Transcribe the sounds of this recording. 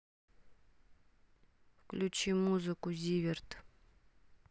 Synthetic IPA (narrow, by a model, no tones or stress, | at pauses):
fklʲut͡ɕimuzɨkʊzʲivʲɪrt̪